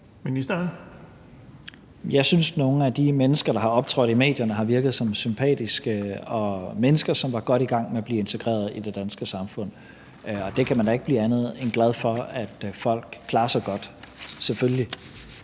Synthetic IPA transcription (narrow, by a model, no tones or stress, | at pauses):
minisd̥ɐ | jɑ̈ɪsynsno̝ːn̩æd̥imenəsɡ̥ɐɾ̥ɑ̈hɑ̈ɒ̽b̥̚t͡sʰʁɔðˠime̝̰ːd̥jɐnəɦɑ̈ʋiɐɡ̥ð̞̩ˠsɒ̽msympʰɛ̰ːd̥isɡ̥əɒ̽menəsɡ̥ɐsɒ̽mʋɑ̈ɡ̥ɒ̽ɾ̥iɡ̥ɑ̈ŋ̰meæb̥liːe̝nt͡sʰe̝ɡ̥ʁɛ̰ːɐð̞̩ˠid̥e̝d̥ænsɡ̥əsɑ̈mfɔ̽n̰ | ɒ̽d̥e̝kʰæmænd̥ɑe̝ɡ̥əb̥lḭːænð̞̩ˠenɡ̥lɛð̞ˠfɒ̽æd̥fɒ̽l̰ɡ̥kʰlɑ̈ːɐsɒɡ̥ɒ̽d̥sefølli